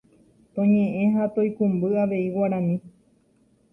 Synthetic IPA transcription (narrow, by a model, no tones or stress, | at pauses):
t̪õɲẽʔẽ̞ɦat̪ojkũmbɨaʋe̞iwaɾãmĩ